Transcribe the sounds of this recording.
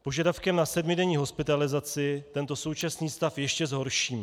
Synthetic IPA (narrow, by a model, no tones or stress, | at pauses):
po̞ʒadafkɛmnasɛdmɪdɛɲiːɦo̞spɪt̪alɪzat͡sɪt̪ɛnt̪o̞so̞wt͡ʃasniːst̪afjɛʃcɛzɦo̞ɾʃiːm